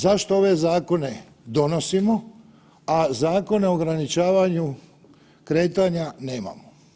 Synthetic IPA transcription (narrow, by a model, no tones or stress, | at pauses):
zaʃt̪oo̞ʋe̞zaːko̞ne̞ | d̪o̞no̞simo | azaːko̞ne̞oɡɾanit͡ʃaːʋaɲu | kɾe̞ːt̪aɲane̞ːma̰mo